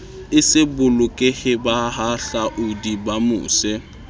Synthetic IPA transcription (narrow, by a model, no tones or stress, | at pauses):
ɪsɪbʊlʊkʼɪhɪbahaɬaʔʊdibamʊ̰ːsɛ